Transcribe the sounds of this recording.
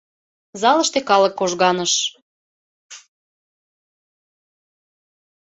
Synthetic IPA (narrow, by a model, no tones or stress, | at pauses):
zɑləʃt̪ekɑləkːoʒɣɑnəʃ